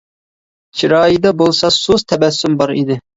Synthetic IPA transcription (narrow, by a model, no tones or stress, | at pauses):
t͡ʃʰiɾɑːjid̪ɑbolˠsɑsuzt̪ʰɛbɛsːymbɑɾḭd̪ɪ